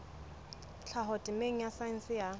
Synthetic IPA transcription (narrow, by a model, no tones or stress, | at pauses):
t͡ɬʰaɦɔtʼɪmeŋ̩jasaɪn̩sɪja